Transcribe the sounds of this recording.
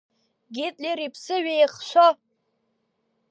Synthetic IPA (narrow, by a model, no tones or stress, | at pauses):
ɡʲitʼliɾipʰsɨɥejχʃʷo